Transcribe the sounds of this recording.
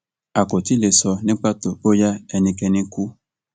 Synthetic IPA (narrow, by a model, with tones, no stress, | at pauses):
a˨ko˨ti˦le˨sɔ˧nɪ̃˦k͡pa˦to˨o˦ja˦ɛ˦nĩ˧kɛ˧nĩ˦ku˦